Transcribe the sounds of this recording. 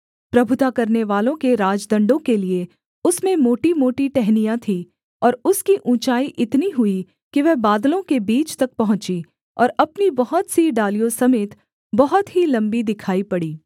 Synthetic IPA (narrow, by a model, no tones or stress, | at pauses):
pɾɐbʱʊt̪akɐɾneʋaːlõkeɾaːd͡ʒd̪ɐ̃ɳɖõkelie | ʊsmẽmoːʈimoːʈiʈɛɦnijãt̪ʰi | ɔːɾʊskiʔũːt͡ʃaːiʔɪt̪niɦʊi | kiʋɛɦbaːd̪lõkebiːt͡ʃt̪ɐk̚pɐɦʊ̃t͡ʃi | ɔːɾɐpnibɐɦɔt̪siɖaːlijõsɐmeːt̪ | bɐɦɔt̪ɦilɐ̃mbid̪ɪkʰaːipɐɽiː